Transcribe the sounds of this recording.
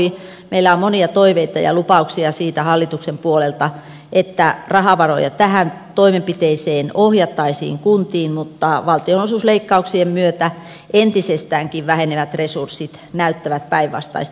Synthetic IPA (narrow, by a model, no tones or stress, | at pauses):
i | meilːæommoniɑt̪oiʋeit̪ɑ̰jɑ̰lupɑuksiɑsiːt̪æhɑlːit̪uksempuolelt̪ɑ | ʔet̪ːærɑhɑʋɑro̰jɑt̪æhæn | t̪oimempit̪eiseːnohjɑt̪ːɑisḭːŋkunt̪iːnmut̪ːɑʋɑlt̪ionosusleikːɑuksiemmyøt̪æ | ʔent̪isest̪æːŋkiʋʋæheneʋæt̪resursit̪ | næyt̪ːæʋæt̪̚pæiʋʋɑ̰st̪ɑ̰ist̪